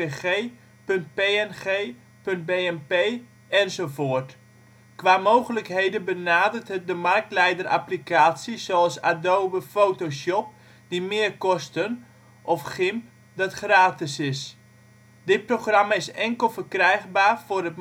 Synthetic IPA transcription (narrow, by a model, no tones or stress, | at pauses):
exeː | pɵnt̚peːɛnɣeː | pɵnt̚beːɛnpeː | ɛnzowfoːrt | kʋaːmowɣələkɦejdənbənaːdərtɦət̚dəmark̚tlɛjdərʔa̰plikaːtsisoɑlˠsa̰doːbəfowtosjɔp̚ | dimɪərkɔstən | ʔɔfχɪm | dɔtxraːtɪsɪs | dɪt̚proχramaɪsɛŋkəlˠfərkrɛjɣbaːfʊːrət